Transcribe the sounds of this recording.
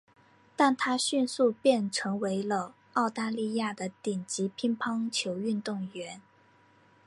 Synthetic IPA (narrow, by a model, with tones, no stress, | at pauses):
t̪a˥˩nt̪ʰa˥ɕy˥˧nsu˥˧pjɛ˥˩nʈ͡ʂʰɤ˧˥ŋwe˧˥ɪlə˧ | ɑ˥˩˧ʊt̪a˥˧li˥˧ja˥˩d̪ə˩t̪i˨˩ŋt͡ɕi˧˥pʰi˥ŋpʰɑ˥ŋt͡ɕʰjo˧˥ʊy˥˧nt̪ʊ˥˩ŋɥɛ˧˥n